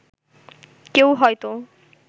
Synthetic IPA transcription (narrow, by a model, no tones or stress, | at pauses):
kewɦʌjt̪o